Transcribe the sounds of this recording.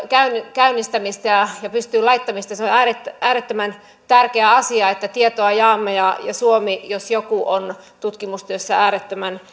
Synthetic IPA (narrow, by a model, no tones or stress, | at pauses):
kæynkæynːist̪æmist̪ɑjɑjɑpyst̪yːlɑit̪ːɑmist̪ɑseoæːret̪ːʔæːɾet̪ːømæn | t̪ærkeæɑsiɑet̪ːæt̪iet̪oɑjɑːmːɑjɑjɑ̰suomijosjokuʔon | t̪ut̪kimust̪yøsːææːɾet̪ːømæn